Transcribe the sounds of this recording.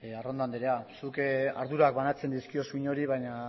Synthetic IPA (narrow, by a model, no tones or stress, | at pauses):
earond̪and̪eɾeasuka̰ɾðuɾakbanat͡se̞nd̪iskio̞suiɲo̞ɾiβajɲa